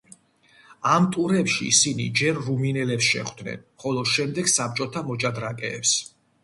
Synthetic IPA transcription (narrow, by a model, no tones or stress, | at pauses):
amt̪ʼuɾɛpʃḭːsinḭd͡ʒɛɾːuminɛlɛpsʃɛ̰χwd̪nɛ̰nχɔlˠɔʃɛmd̪ɛɡsap̚t͡ʃʼɔt̪ʰamɔt͡ʃʼad̪ɾakʼɛ̰ːps